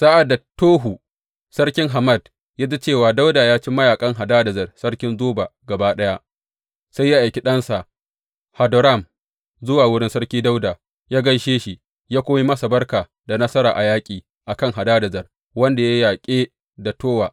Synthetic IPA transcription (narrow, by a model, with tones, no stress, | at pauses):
sa˦ʔa˨da˨toː˦ɦu˨ | sɐ˦rkʲɪ˦ŋɦa˨mɐ˦˨d | jaː˦zɐ˦t͡ʃeː˦˨waː˨da˦wda˨jaː˦t͡ʃi˦mɐ˦jaː˨kʼɐ˦ŋɦa˨daː˦dɐ˨zɐ˨rsɐ˦rkʲɪ˦nzoː˦baː˨ɡɐ˨baː˦ɗɐ˦ja˦ʔ | sa˦jːa˦ʔa˨jkʲi˦ɗɐ˦nsa˨ʔ | ha˨do˨ɾa˦˨m | zʊ˦waː˨wʊ˦ɽɪ˦nsɐ˦rkʲiː˦da˦wdaː˨ | jaː˦ɡɐ˦jʃeː˦ʃi˨ | jaː˦kʷoː˦mi˦mɐ˦sa˨bɐ˦rkaː˨ | da˨nɐ˦sɐ˦ɾa̰ː˨ʔa˨jaː˦kʲʼiː˨ | ʔa˨kɐ˦˨ŋɦa˨daː˦dɐ˨zɐ˨r | wɐ˦nda˨ja˦jaː˨kʲʼeː˦ | da˨toː˦waː˨